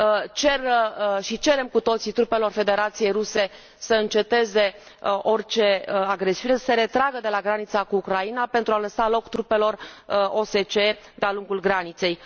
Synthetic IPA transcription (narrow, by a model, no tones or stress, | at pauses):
t͡ʃe̞rʃit͡ʃe̞ɾe̞mkut̪o̞t̪sit̪ɾupe̞lo̞rfe̞d̪e̞ɾat̪sije̞jɾuse̞ | səɨnt͡ʃe̞t̪e̞ze̞ | ʔo̞rt͡ʃe̞aɡɾe̞siune̞sə̥se̞ɾe̞t̪ɾaɡəd̪e̞laɡɾanit̪sakuːkɾainape̞nt̪ɾualəsalo̞kt̪ɾupe̞lo̞ro̞se̞t͡ʃe̞d̪ealuŋɡulɡɾanit̪se̞j